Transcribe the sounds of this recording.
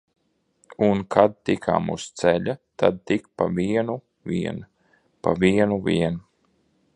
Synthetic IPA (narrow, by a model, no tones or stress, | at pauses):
unkʰad̪̚t̪ikʰa̰ːmṵst̪sɛʎat̪ad̪̚t̪ik̚paviɛnu | viɛn | pa̰viɛnuvʲiɛn